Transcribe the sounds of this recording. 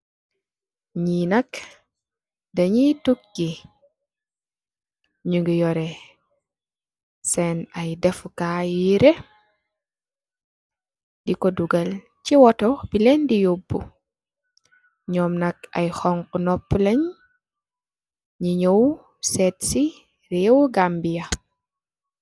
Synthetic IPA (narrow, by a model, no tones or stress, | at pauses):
ɲinɐk | ddɐɲituk̚ːi | ɲuŋɡijɔɾɛ | sɛnɐjdɛfukajiɾe | dikɔduɡɐl | ciwɔtɔbilɛndijobːu | ɲɔːmnɐk̚ɐ̰jxɔŋkunɔpːulɐɲ | ɲiɲow | sɛtsi | ɾɛwuɡambijɐ